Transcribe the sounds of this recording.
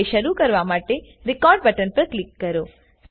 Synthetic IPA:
eʃəɾukəɾʋamaʈeɾɪkɔɾɖ̚bəʈənpəɾklikːəɾo

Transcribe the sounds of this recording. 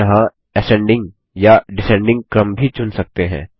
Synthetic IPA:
ɐɦã | ɛsɛ̃ɳɖɪ̃ŋɡ | jaɖɪsɛ̃ɳɖɪ̃ŋɡ̚kɾɐmbʱit͡ʃʊnsɐk̚t̪eɦɛ̰̃ː

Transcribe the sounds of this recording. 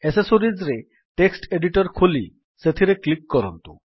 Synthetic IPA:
esesoɾid͡ʑɾe | ʈeksʈeɖiʈɔɾkʰuli | set̪ʰiɾeklikːɔɾɔnt̪ṵ

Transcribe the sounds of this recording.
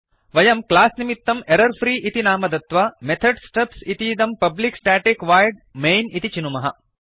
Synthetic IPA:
ʋɐjɐmklaːsnimit̪ːɐmeɾɐɾfɾiːʔit̪inaːmɐd̪ɐt̪ʋamet̪ʰɐɖsʈɐpsit̪iːd̪ɐmpɐbliksʈaːʈekʋaːjɖmejnit̪it͡ʃinumɐɦɐ

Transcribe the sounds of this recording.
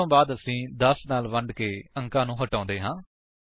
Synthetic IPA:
õːbaːd̪əsĩːd̪əsnaːlʋəɳɖkeːəŋkãːnũːɦəʈãːnd̪eːɦãː

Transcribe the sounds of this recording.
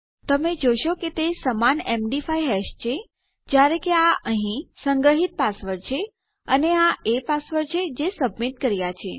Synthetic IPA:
t̪əmed͡ʒojʃoket̪esəmanemɖifajɦɛʃt͡ʃʰe | d͡ʒjaɾekeaʔəɦĩsəŋɡɾəɦit̪̚pasʋəɾt͡ʃʰe | əneaepasʋəɾt͡ʃʰed͡ʒesəbmit̪̚kəɾjat͡ʃʰe

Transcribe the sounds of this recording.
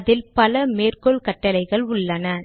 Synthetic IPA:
ðɪlpɐlɐmeːrkɔɭkɐʈːɐlɐɪɣɐɭʊɭːɐnɐ

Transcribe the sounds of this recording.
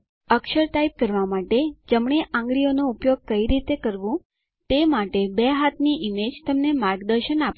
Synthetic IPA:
əkʃəɾʈaip̚kəɾʋamaʈed͡ʒəmɳeʔãŋɡɾijonoupjoɡ̚kəiɾit̪ekəɾʋũ | t̪emaʈebeɦat̪niʔimed͡ʒt̪əmnemaɾɡd̪əɾʃənap

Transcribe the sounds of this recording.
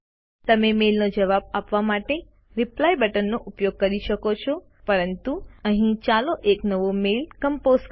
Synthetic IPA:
t̪əmemelnod͡ʒəʋab̚apʋamaʈe | ɾɪplajbəʈənːoʔupjoɡ̚kəɾiʃəkot͡ʃʰo | pəɾənt̪uəɦĩt͡ʃaloʔeknəʋomelkəmpozk

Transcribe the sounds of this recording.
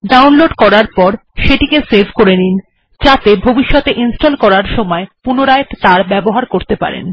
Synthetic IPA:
ɖawnloɖkɔɾaɾpɔɾʃeʈikeseɾbʱkoɾenin | t͡ɕat̪ebʱobiʃːɔt̪eʔinsʈolkɔɾaɾʃɔmɔepunoɾaet̪t̪aɾbɛboɦaɾkoɾt̪epa̰ɾḛn

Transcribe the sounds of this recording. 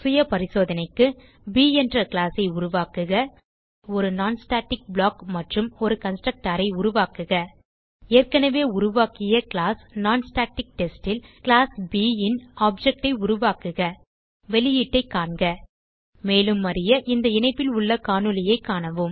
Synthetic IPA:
sʊjɐpɐɾɪsoːðɐnɐɪkːɯ | biːɛndrɐkɪlaːsɐɪʊɾʊʋaːkɯɣɐ | ɔɾɯnaːnsʈaːʈːɪk̚bɭaːkmɐʈrɯmɔɾɯkɐnsʈɾɐk̚ʈaːɾɐɪʊɾʊʋaːkɯɣɐ | eːrkɐnɐʋeːʊɾʊʋaːkɪjɐkɪɭaːsnaːnsʈaːʈɪk̚ʈɛsʈɪlklaːsbiːɪnaːp̚d͡ʒɛk̚ʈɐɪʊɾʊʋaːkɯɣɐ | ʋɛlɪjiːʈːɐɪkːaːɳɡɐ | meːlɯmːɐɾɪjɐʔɪnd̪ɐɪnɐɪpːɪlʊɭːɐkaːnɯlɐjɐɪkːaːɳɐʋɯm

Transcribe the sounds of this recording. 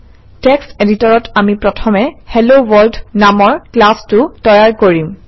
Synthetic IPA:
tɛkseditɔɹɔtamipɹɔtʰɔmɛhelowɔɹldnamɔɹklastʊtɔjaɹkoɹim

